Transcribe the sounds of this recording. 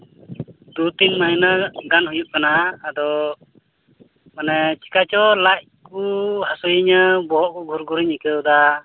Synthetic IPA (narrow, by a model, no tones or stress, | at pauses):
d̪ut̪inmajnaɡanɦujuʔ̚kanaːd̪ɔ | manɛt͡ʃi̥kat͡ʃɔlac̚kuhasujiɲəbɔɦɔʔkɔɡʱuɾɡuɾiɲikəwd̪a